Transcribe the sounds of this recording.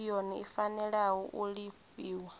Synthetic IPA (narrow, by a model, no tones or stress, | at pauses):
jɔniifanɛɺawɔʔuɺifiːwa